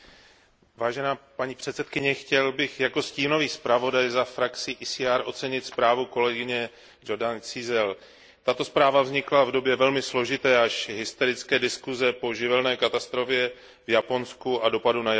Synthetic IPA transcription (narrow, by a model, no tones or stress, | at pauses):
vaːʒɛnaːpaɲiːpr̝̥ɛt̪sɛt̪̚kɪɲɛxcɛlbɪxjako̞sciːno̞viːspɾavo̞dajzafɾakt͡sɪʔisiaɾʔo̞t̪t͡sɛɲɪt̪spɾaːvuko̞lɛɡɪɲɛ | d͡ʒo̞ɾdant͡sɪzɛl | t̪at̪o̞spɾaːvavzɲɪklavdo̞bjɛvɛlmɪslo̞ʒɪt̪ɛːaʃɦɪst̪ɛɾɪt͡skɛːdɪskuzɛpo̞ʒɪvɛlnɛːkat̪ast̪ɾo̞fjɛ | vjapo̞nskuʔado̞paduna